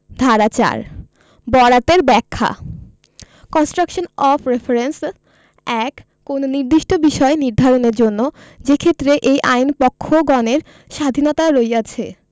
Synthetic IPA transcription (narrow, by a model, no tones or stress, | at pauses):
d̪ʱaɾat͡ɕa̰ɾ | bɔɾat̪eɾbɛkʰːa̰ | kɔnsʈɾakʃonɔfʰɾefʰeɾens | ɛkː | ononiɾd̪iʃʈobiʃɔeniɾd̪ʱaɾoneɾd͡ʑonːod͡ʑekʰet̪ːɾeʔejʔa̰jnpɔkʰːoɡɔneɾ | ʃad̪ʱinɔt̪aɾoejat͡ɕʰe